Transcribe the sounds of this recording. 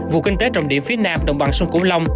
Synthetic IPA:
vṵ˧˨kï˧ŋt̪e˨˦t͡ɕɔ˨˧˩wɗḭ˧˩əmfi˨˦˥ənaː˧mɗə̰˨˧˨wŋ͡mɓa̰˧˨˩nsə˧ŋ͡mkṵ˧˩əla˧wŋ͡m

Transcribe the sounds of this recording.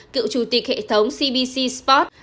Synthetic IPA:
kɨ̰˧˨wt͡ɕu˨˩t̪i˨˩k̚hḛ˧˨t̪ʰə˨˦wŋ͡msi˧ɓi˧si˧spɔ˦˥t̚

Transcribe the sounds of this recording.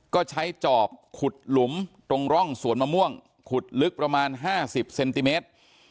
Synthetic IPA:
kɔː˥˩t͡ɕʰa˦˥jt͡ɕɔː˨˩p̚kʰu˨˩t̪̚lu˩˦mt̪o˧ŋɾɔ˥˩ŋsu˨˩˦ənmaː˧mu˥˩əŋ | kʰu˨˩t̪̚lɯ˦˥k̚pɾa˧maː˧nɦaː˥˩si˨˩p̚se˧nt̪i˧meː˦˥t̪̚

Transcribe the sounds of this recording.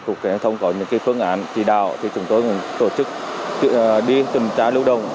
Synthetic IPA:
t̪ʊ˨˩k̚kɛ˨˧˦t̪ʰə˧wŋ͡mkɔ˨˦ɲɨ̰˧˥ŋkaː˨˦jfɨ˧˥əŋʔaː˧˩˦nt͡ɕi˧˩ɗa̰ː˧˨wt̪ʰi˨˩t͡ɕʊ˨˦ŋ͡mt̪o˧jkʊ˨˩nt̪o˧˩t͡ɕɨ˦˥k̚t͡ɕɗi˧t̪ï˨˩ŋt͡ɕaː˧˥lɨ˧wɗə˨˩wŋ͡m

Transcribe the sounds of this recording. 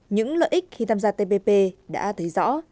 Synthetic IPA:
ɲɨ̰˧˥ŋlə̰ː˧˨jʔi˦˥k̟̚xi˧t̪ʰaː˧mzaː˧t̪e˧pe˧pe˧ɗa̰ː˧˥t̪ʰɨ˨˦jzɔ̰˧˥

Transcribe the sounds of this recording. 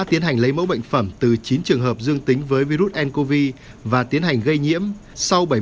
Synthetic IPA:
t̪i˨˦ənɦa˨˩jŋ̟lə˨˦jmə̰˧˥wɓə̰˧˨jŋ̟fə˧˩mt̪ɨ˨˩t͡ɕi˨˦nt͡ɕɨ˨˩əŋɦəː˨˩p̚zɨ˧əŋt̪i˨˦ŋ̟vəː˨˦jvi˧zu˦˥t̚ʔɛ˧nko˧vi˧ | vaː˨˩t̪i˨˦ənɦa˨˩jŋ̟ɣə˧jɲḭ˧˥əm | sa˧wɓə˧˩j

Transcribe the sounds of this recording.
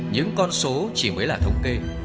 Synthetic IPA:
ɲɨ̰˧˥ŋkɔ˧nso˨˦t͡ɕi˧˩məː˨˦jlaː˨˩t̪ʰə˨˧wŋ͡mke˧

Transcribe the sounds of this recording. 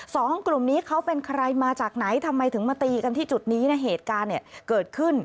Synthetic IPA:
sɔː˩˦ŋklu˨˩mniː˦˥kʰa˦˥wpe˧nkʰa˧ɾa˧jmaː˧t͡ɕaː˨˩k̚na˩˦jt̪ʰa˧mːa˧jt̪ʰɯ˩˦ŋma˧t̪iː˧ka˧nt̪ʰiː˥˩t͡ɕu˨˩t̪̚niː˦˥na˦˥ɦeː˨˩t̪̚kaː˧nːi˨˩ɐkɤː˨˩t̪̚kʰɯ˥˩n

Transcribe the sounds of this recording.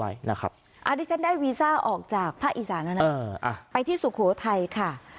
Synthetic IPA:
a˦˥jna˦˥kʰa̰˦˥p̚ | ʔa˨˩diː˦˥˩t͡ɕʰa˦˥ndaː˥˩jwiː˧saː˥˩ʔɔː˨˩k̚t͡ɕaː˨˩k̚pʰaː˥˩k̚ʔi˨˩saː˩˦nʔa˧na˦ɤː˧ʔa̰˧˩pa˧jt̪ʰiː˥˩su˨˩kʰoː˩˦t̪ʰa˧jkʰa˥˩

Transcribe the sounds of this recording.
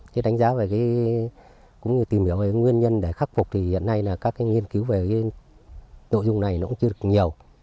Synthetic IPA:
ke˨˦ɗa˨˦jŋ̟zaː˨˦ve˨˩kaː˨˦ | kʊ̰˧˥ŋ͡mɲɨ˧t̪i˨˩mhi˧˩əwve˨˩kːŋwi˧ənɲə˧nɗe˧˩xa˦˥k̚fʊ˨˩k͡p̚t̪ʰi˨˩hḭ˧˨ənːa˧jlaː˨˩kaː˦˥k̚ːaː˨˦ŋi˧ənki˨˦wve˨˩kaː˨˦ | no̰˧˨jzʊ˧ŋ͡mna˨˩jnɔ̰˨˦˥ʊ˧˥t͡ɕɨ˧ə˧ɗə˩k̚ɲi˨˩əw

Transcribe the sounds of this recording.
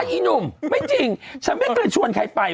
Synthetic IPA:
jʔi˧nu˧˩mma˦˥˩jt͡ɕi˨˧ŋsaː˨˦mbi˦˥t̚laː˧˩t͡ɕʰu˧ənkʰa˧jpa˧˩j

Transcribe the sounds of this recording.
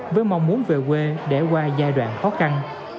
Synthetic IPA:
vəː˨˦jma˨wŋ͡mmu˨˦ənve˨˩k̬we˧ɗe˧˩kwaː˧zaː˧jɗwa̰ː˧˨nxɔ˨˦xa˧n

